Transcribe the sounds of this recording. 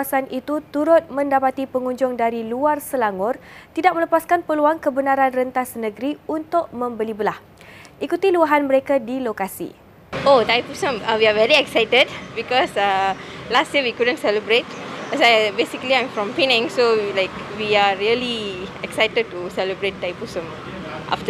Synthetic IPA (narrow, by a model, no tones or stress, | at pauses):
asanʔit̪ut̪uɾʊt̪̚mə̃ndapat̪ipəŋũɲd͡ʒʊŋdaɾiluarsəlaŋʊrt̪idak̚mələpaskanpəluaŋkəbənaɾanrənt̪asnə̃ɡɾiunt̪ʊʔ̚mə̃mbəlibəlah | ʔikut̪iluaɦanməɾekadilokasḭ | otajpusə̃mawiavɛɾiɛksajtədbikɔsalastjəwikudə̃ntsɛləbɾet̚ | asabesikəliãj̃mfɾɔ̃mfinɪ̃ŋsolajkwiaɹiəliɛksajtəd̚tusɛləbɾet̚ːajpusə̃m | ʔa̰ftə